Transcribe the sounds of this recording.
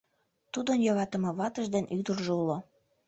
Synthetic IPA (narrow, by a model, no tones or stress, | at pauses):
t̪ud̪ənjɑɣɑt̪əmɤβɑt̪əʒd̪enʔyd̪ərʒeulo